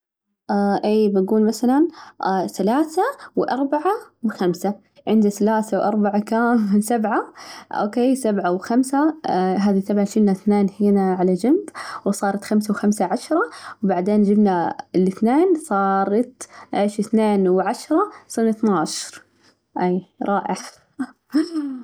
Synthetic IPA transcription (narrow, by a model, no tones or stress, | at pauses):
ʔaʔiːbaɡuːlmaθalanːθalaːθawʔɑɾˤbaʕawxamsa | ʕɪnd̪aθalaːθawʔɑ̰ɾˤbaʕakaːmsabʕaʔo̰ːkeːsabʕawxamsaɦaːðisabʕaʃɪnːaθneːnhiːnaʕalad͡ʒambwsˤɑːɾˤɑt̪xamsawxamsaʕaʃɾˤɑwbaʕd̪eːnd͡ʒɪbnaɪlɪθneːnsˤɑːɾˤɑt̪ʔɪʃɪθneːnwʕaʃɾˤɑsɪnaθnaːʃɾ | ʔiːɾˤɑːʔɪħ